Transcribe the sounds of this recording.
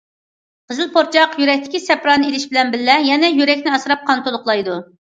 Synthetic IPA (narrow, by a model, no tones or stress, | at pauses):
qʰəzɨlˠpʰoɾt͡ʃʰɑqjyɾɛk̚ʲt̪ʰɪ̥kʲisɛpɾɑnɨelɪʃbɪlɛnbɪlːɛjɛnɛjyɾɛkʲnɪɑsɾɑp̚qʰɑnt̪olˠʊqlˠɑjd̪u